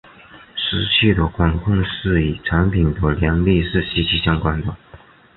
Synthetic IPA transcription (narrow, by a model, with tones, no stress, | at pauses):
ʂɻ̩˧˥ɕʰy˥˩d̪ə˨˩kwa˨˩nkʰʊ˥˧ŋʂɻ̩˥˩i˨˩ʈ͡ʂʰa˧˥npʰi˨˩nd̪ə˦ljɛ˧˥nli˥˧ʂɻ̩˥˩ɕi˧˥t͡ɕʰi˧˥ɕjɑ˥ŋkwa˥nd̪ə˨